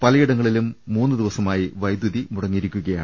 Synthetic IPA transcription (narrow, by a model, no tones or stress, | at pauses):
pɐlɐjiɽɐŋːɐɭilumːuːnːɨd̪iʋɐsɐmaːjiʋɐjd̪juðimuɽɐŋːiɾukʲːuɣɐja̰ːɳ